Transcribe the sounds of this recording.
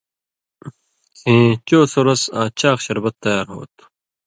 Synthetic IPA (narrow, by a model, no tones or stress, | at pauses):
sẽːt͡ʃoːsoɾɐsãːt͡ɕʰaːqɕɐɾbɐt̪ːɐjaːɾɦo̰ːt̪